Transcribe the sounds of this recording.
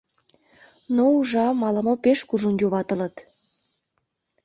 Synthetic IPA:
nouʒɑmɑlə̆mopeʃkuʒonjoβɑt̪ə̆lət̪

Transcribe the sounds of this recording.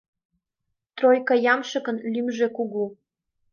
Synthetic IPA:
t̪rojkɑjɑmʃɤ̆kɤ̆nlymʒekuɣu

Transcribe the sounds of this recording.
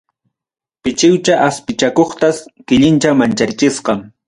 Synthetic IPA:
pɪt͡ʃɪwt͡ʃaʔaspɪt͡ʃakoχt̪askɪʎɪnt͡ʃamant͡ʃaɾt͡ʃɪsqɑŋ

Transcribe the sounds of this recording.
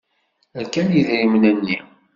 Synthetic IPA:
əlkænjiðɾimənənːḭ

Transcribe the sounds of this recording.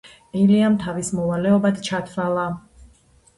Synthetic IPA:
ɛliamt̪ʰavismɔvalɛɔbad̪t͡ʃʰat̪ʰvalˠa

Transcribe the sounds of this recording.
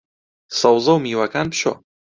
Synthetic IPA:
sɐwzɐwmiwakanpɕo̰

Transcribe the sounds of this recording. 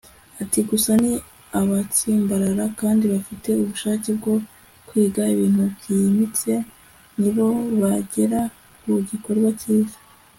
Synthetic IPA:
atiɡusani | aβat͡siːmbaɾaɾakaːndiβafite̞uβuʃaːce̞b̚ɡo̞ | kwiːɡaiβiːn̥hubɟijimit͡se̞ | niβo̞βaɟe̞ɾa | kuɟiko̞ɾɡwaciːze̥

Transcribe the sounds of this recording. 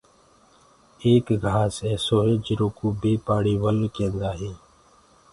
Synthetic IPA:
eːkɡʱaːsɛːsoːɦeːd͡ʒɪɾoːkuːbeːpaːɽiːʋəlkɛ̃ːnd̪aːɦeː

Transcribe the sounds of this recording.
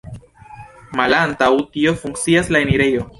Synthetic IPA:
malantawtio̞fuŋkt͡siaslaeniɾejo̞

